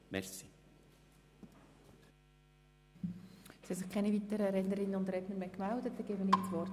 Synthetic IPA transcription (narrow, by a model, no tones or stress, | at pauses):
mɛ̰rsi̥ | sɛsɪχkʰɛnivit̪əɾəɾɛdnəɾɪnːəʊnd̪ɾɛdnəɾmɛkmældət̪ːɛɡeːbənit͡svɔrt